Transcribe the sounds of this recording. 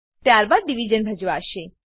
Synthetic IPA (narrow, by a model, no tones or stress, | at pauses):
t̪jaɾbad̪̚ɖiʋid͡ʒənbʱəd͡ʒʋaʃe